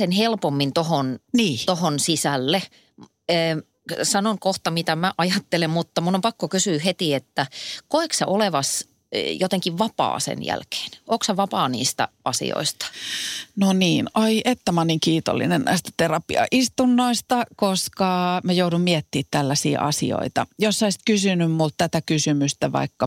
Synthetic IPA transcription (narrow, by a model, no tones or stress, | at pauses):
enhelpomːint̪ohonniːt̪ohonsisælːeː | sɑnoŋkoht̪ɑmit̪æmæʔɑjɑt̪ːelemmut̪ːɑmulːompɑkːokysyːhet̪iet̪ːækoekseʔoleʋɑs | jot̪eŋkiʋʋɑpɑ̰ːsḛnjæ̰lke̥ːnʔoːkshæʋɑpɑːnḭːst̪æ̰ɑsḭo̰ist̪ɑ̥noniːnɑiʔet̪ːæmɑːniːŋkiːt̪o̰lːḭnennæ̰ist̪æ̥t̪erɑpiɑ̰ʔist̪unːoist̪ɑkoskɑmæjouɾummiet̪ːiːt̪t̪ælːæsḭːʔɑsḭo̰it̪ɑjosːɑist̪kysynymmult̪t̪æt̪ækysymyst̪æʋɑ̰ikːɑ